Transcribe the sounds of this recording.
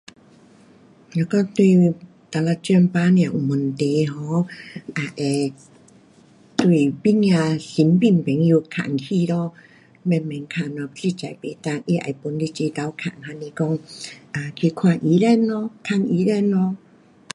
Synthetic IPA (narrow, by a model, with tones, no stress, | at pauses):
ɲa˧kɔ˧ŋt̪wi˧˨ | t̪a˨˧la˧t͡ɕɛ˧npaː˧˦njã˧˨ʔu˨˩mu˨nt̪e˨ɦɔ˨˧˦ʔa˨˩ʔɛ˨ | t̪wi˧˩bi˧˥ŋjã˧si˨˦npi˧˨mpɛ˨˦ŋju˧kʰa̰˨˩˨ŋkʰi˧lɔ˧ | mɛ˧˨nmɛ˨ŋkʰa˧˨nɔ˧si˧t͡ɕa˨˩jpe˨˩t̪a˧˨ŋʔi˧ʔa̰˨˩jpu˨˧˦nli˧t͡ɕi˧t̪a˨˧˦wkʰa̰˨˩ŋɦa˧ni˧kɔ˧ŋʔa˨˩kʰi˧kʰwã˧˨ʔi˧˦lɛ˧˨nːɔ˧kʰa˧ŋi˧˦lɛ˥˧˨nːɔ˧˦